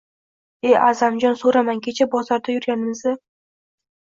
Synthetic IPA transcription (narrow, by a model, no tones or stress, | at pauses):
ejʔazamd͡ʒɒnsoɾamankʲʰe̞t͡ʃʰabɒzaɾd̪ajʊɾɡʲanɪmɪzɪ